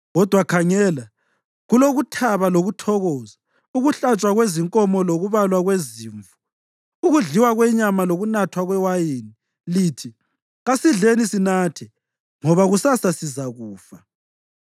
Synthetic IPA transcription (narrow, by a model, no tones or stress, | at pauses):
ɣɔd̥ʱwakʰaŋɛːla | ɣuloɣutʰaβaloɣutʰɔɣɔːza | uɣuɬat͡ʃʼwaɣweziŋkʼɔmɔloɣuβalwaɣweziːɱvu | uɣuɮiwaɣwɛɲamaloɣunatʰwaɣwɛwajeni | liːtʰi | ɣasiɮenisinatʰɛ | ŋɔβaɣusasasizaɣuːfa